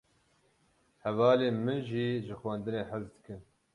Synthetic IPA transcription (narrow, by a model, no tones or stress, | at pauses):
hɛvɑːleːmɨnʒiːʒɨxwɛnd̪ɨneːħəzd̪ɨkɨn